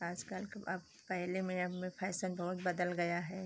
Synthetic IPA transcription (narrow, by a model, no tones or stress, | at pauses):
aːd͡ʒkalkɐ̰b | pɛɦlemẽɐmẽpʰɛːsənbɐɦʊt̪̚bɐd̪əlɡɐjaɦɛː